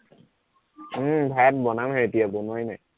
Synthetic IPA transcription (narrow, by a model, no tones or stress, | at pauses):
bʱɛt̚bɔnamɦɛetijabonajnaj